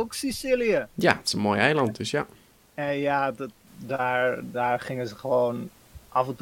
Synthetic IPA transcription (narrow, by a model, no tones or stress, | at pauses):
oksisiliəja̰tɪ̥sənmoːjɛjlɑnt̚dɵsja | ɛnjadt | daːɹdaːɹχɪŋəzəχəʋown | ʔafənt